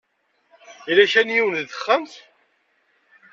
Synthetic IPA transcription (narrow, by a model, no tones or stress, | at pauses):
ilæʃænjiwənðəχːəmt̪